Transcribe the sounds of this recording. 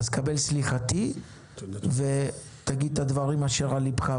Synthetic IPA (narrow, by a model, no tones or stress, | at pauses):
zkabe̞lsliχat̪i | ve | t̪aɡid̪̚t̪ad̪vaʁimaʃe̞ʁalibχa